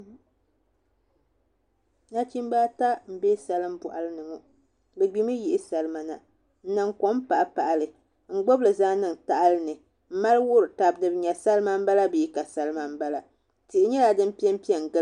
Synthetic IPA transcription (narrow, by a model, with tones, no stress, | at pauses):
na˦t͡ʃi˦m˦ba˦ta˦m̩˨be˦sa˨lɨ˦m̩˦bʊ˨ʔa˨lɨ˦nɨ˨ŋo˨ | bɛ˨ɡ͡bi˦mɨ˦ji˦ʔɪ˦sa˨lɨ˦ma˨na˨ | n̩˦nɨ˨ŋko˦m˦pa˨ʔa˦pa˨ʔa˨lɨ˨ | ŋ͡m̩˦˨ɡ͡bo˦blɨ˨zaː˦nɨ˦˨ŋta˨ʔa˦lɨ˦nɨ˨ | m̩˦ma˦lwʊ˦ɾɨ˨ta˨b̚nɨ˨bɨ˦ɲɛ˨sa˦lma˦m̩˦ba˦la˦bɨ˨i˦ka˨sa˦lɨ˦ma˦m˦ba˦la˨ | ti˨ʔɪ˦ɲɛ˦la˨dɨ˦m̩˦pi˦ɛ˦m˦pi˦ɛ˨ŋ˨ɡɨ˦